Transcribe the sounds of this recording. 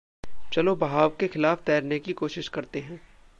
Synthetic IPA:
t͡ʃɐlobɐɦaːʋkexɪlaːft̪ɛːɾnekikoːʃɪʃkɐɾt̪eɦɛ̃ː

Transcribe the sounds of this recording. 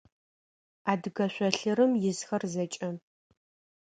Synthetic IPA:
aːdɨɣɐɕʷɔɬɨɾɨmjɪzxɐrzɐt͡ʃʼɐ

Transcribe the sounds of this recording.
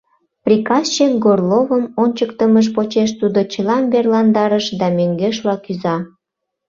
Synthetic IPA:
prʲikɑst͡ɕekɡorlovəmonʲt͡ɕəkt̪əməʃ̬pot͡ɕeʃ̬t̪ud̪ot͡ɕəlɑmberlɑnd̪ɑɾəʃd̪ɑmøŋɡeʃ̬lɑkyzɑ

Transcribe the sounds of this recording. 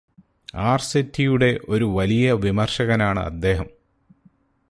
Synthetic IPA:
aːrsetːijuɽe̞ʔo̞ɾuʋɐlijɐʋimɐrʂɐɣɐnaːɳɨ̰ɐ̰d̪ːe̞ːɦɐm

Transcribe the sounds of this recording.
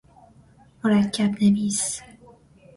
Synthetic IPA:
moɾæcʰːæbnemiːs

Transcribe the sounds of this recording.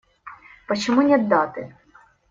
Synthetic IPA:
pɔt͡ʃɔmunʲɛd̪ːɑt̪ɪ

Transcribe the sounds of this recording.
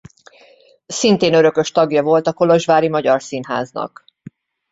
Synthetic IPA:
sint̪eːnø̞ɾø̞kø̞ʃt̪ɒɡjɒvo̞lt̪ɒko̞lo̞ʒʋaːɾimɒɟɒrsinɦa̰ːznɒ̰k

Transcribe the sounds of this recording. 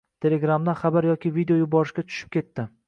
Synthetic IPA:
t̪ʰe̞le̞ɡɾamd̪aχabaɾjɒkʲɪvid̪eojʊbɒɾɪʃkʲat̪ʰʊ̥ʃɪ̥p̚kʲʰe̞t̪ːɪ

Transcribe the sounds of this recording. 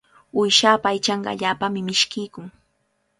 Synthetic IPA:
ʊjʃaːpaːjt͡ʃɑɴɢɑ̰a̰ʎaːpamɪmɪʃkɪjkʊŋ

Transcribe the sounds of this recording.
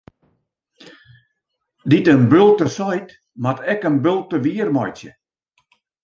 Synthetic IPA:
ditənbølˠtəsɔjt | matɛkənbølˠtəʋiərmɔjsjə

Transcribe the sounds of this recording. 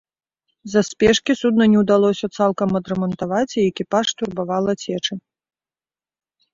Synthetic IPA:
zɐspʲɛʂkʲisud̪nɐnʲɛwd̪alˠɔsʲɐt̪salˠkɐmɐd̪ɾɛmɐnt̪avat͡sʲiɛkʲipaʂt̪urbavalˠɐt͡sʲɛt͡ʂɨ

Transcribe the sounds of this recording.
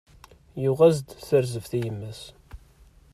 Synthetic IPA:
juʁæzd̪θəɾzəvθijəmːəs

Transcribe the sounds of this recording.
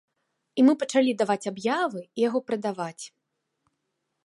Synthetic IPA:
imɨpɐt͡ʂalʲid̪avat͡sʲabjavɨijaɣɔpɾɨd̪avat͡sʲ

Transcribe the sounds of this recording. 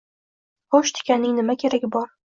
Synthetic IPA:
χoʃt̪ʰɪ̥kʲanːɪŋnɪmakʲʰe̞ɾaɡʲɪbɒɾ

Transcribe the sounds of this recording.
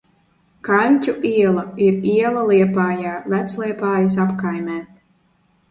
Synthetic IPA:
kalʲtʲuʔiɛlˠaiɾiɛlˠaliɛpaːjaːvæt̪sliɛpaːjis̬apkajmʲɛː

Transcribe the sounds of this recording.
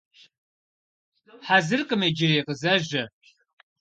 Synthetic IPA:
ħazɨrqʼəmed͡ʒɪreːqəzɐʒɐ

